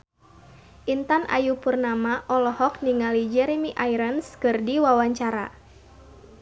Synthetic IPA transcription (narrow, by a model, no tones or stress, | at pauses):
ʔint̪anʔa̰jupurnamaʔɔlɔhɔk̚niŋalid͡ʒɛɾɛmiʔajɾənskɨrdiwawaɲt͡ʃaɾa̰